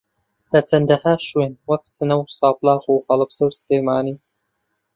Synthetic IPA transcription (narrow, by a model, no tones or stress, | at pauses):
lɐt͡sʰɐnd̪ɐhaːʃweːnwɐksɨnɐwsɑːplˠɑːɣuːhɐlˠɨbz̥ɐwsɨ̥teːmaːniː